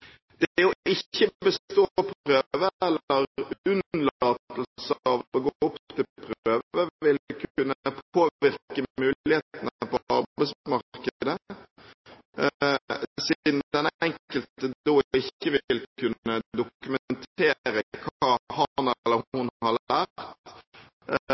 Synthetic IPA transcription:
d̪ɛjʊɪçːəbəst̪oːpʰɾøːʋəɛlːəɾʉnlɑt̪l̩səɑʋɔɡoːʊp̪t̪ɪlpʰɾøːʋʋəʋɪlkʉnːəpʰoːʋɪɾkəmʉːlɪheːt̪ənəpɔɑɾbbæɪsmɑɾkəd̪ə | sid̪n̩d̪ɛnɛŋkəlt̪əd̪oːɪçːəʋɪlkʰʉnəd̪ʊkʉmənt̪eːɾəkʰɑːhɑnɛlːəhhʊnhɑɾæːɾt̪

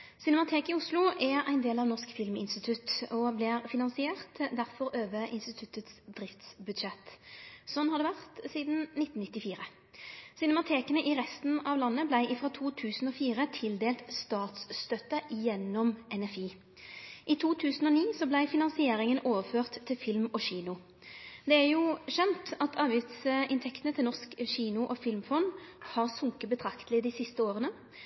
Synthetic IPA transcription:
sɪnɛmɑt̪ʰeːkɪʊslʊʔæɾæ̰ɪnd̪eːlɑʋnɔskfɪlmɪ̰nst̪ɪt̪ʰʉt̪ɔblɪʁfɪnɑnsɪeːʁt̪d̪æʁfɔɾøːʋəʔɪnst̪ɪt̪ʰʉt̪ət̪sd̪ʁɪft̪sbʉd̪ʃɛt̪ːsɔnːhɑd̪ɛʋæʁt̪siːd̪n̩nɪt̪ːn̩nɪt̪ːɪfiːʁə | sɪnɛmɑt̪ʰeːkənəʔɪʁɛst̪n̩ɑʋlɑnːəblæɪʔɪfʁoːt̪ʰuːt̪ʰʉːsn̩ɔːfiːʁət̪ʰɪld̪eːlt̪st̪ɑːt̪sst̪œt̪əjɛnːɔmɛnɛfiː | ʔit̪ʰuːt̪ʰʉːsn̩ɔːniːsɔblæɪfɪnɑnsɪeːʁɪŋənʔoːʋəføːʁt̪ʰːɪlfɪlmɔɕiːnʊ | d̪ɛæʁjuːɕɛnt̪ɑt̪ʰɑːʋjʏt̪sɪnt̪ʰɛkt̪ənət̪ʰɪlnɔskɕiːnʊʔɔfɪlmfɔnhɑʁsʊŋkəbət̪ʰʁɑkt̪lɪd̪ɪsɪst̪əoːʁənə

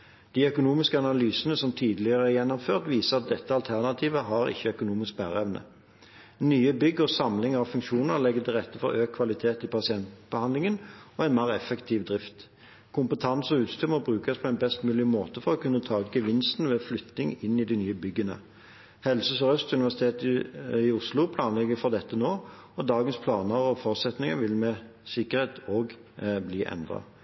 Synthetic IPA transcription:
d̪̥iːœkʊnuːmɪskəɑnɑlyːsənəsɔmt̪ʰiːd̪lɪəʁəæʁjɛnːɔmføːʁt̪ʋiːsəʁɑt̪̚d̪ɛt̪ːəɑlt̪ʰæʁnɑt̪ʰiːʋəɦɑʁɪ̰çːəœkʊnuːmɪsk̚bæ̰ːʁəɛʋnə̰ | nyːəbʏɡːɔsɑmlɪŋɑʋfʉŋkʃuːnəʁlɛɡət̪ʰɪlʁɛt̪ːəfɔʁøːkʰːʋɑlɪt̪ʰeːt̪ɪpɑsɪɛnt̪bəhɑnd̪lɪŋənɔɛɪnmæːʁɛfɛkt̪ʰiːʋd̪ʁɪft̪ | kʰʊmpət̪ʰɑnsɔʉːt̪st̪ʉmɔbʁʉːkɑspʰɔɛɪnbɛst̪mʉːlɪmoːt̪əfɔʁɔkʉnːət̪ʰɑːɡəʋɪnst̪n̩ʋeːflʏt̪nɪŋɪnːɪd̪ɪnyːəbʏɡːənə̰ | hɛlsəsɔʁœst̪ʉnɪʋæʁsɪt̪ʰeːt̪ɪʊslʊpʰlɑːnlɛɡəfɔʁd̪ɛt̪ːənoː | ɔd̪ɑːɡənspʰlɑːnəɔfɔʁt̪sɛt̪nɪŋəʋɪlmɛsɪkəʁheːt̪ʰoːɡbliːʔɛ̰nd̪ʁɑ̰

